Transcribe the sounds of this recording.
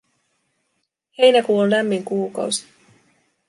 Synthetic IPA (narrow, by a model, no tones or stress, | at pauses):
he̞jnækuːollæmːiŋkuːkɑ̰wsi̥